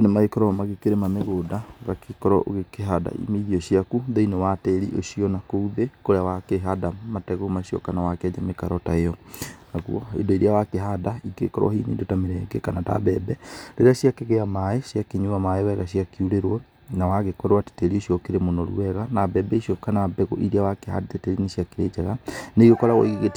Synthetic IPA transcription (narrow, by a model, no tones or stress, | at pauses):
onemaɣekɔɾɔmaɣekeɾemameɣoːdaɣakʰekɔɾɔo̰ɣekeɦada̰ḭmeiðiɔʃiakuðɔinewatɛɾiʔoʃiɔnakouðekoɾeawakeɦadamatɛɣomaʃiɔ̰kanawakɛd͡ʑamekaɾɔtaeɔnaɣuɔ̰ḛndoiɾeawakeɦadaiɡḛkɔɾwa̰hinḭndotameɾɛɡekanata̰bɛbɛɾeɾaɕjakeɣeamaeʃjakeɲuamaewɛɣaɕiakiuɾeɾwɔ | nawaɣekɔɾwate̥teɾioʃiɔkeɾemonɔɾṵɛɣanabɛbɛiʃɔkanabɛɣo̰ʔiɾeawakeɦa̰deteteɾineʃiakeɾed͡ʑaɣaneiɣekɔɾaɣɔ̰iɣeɣet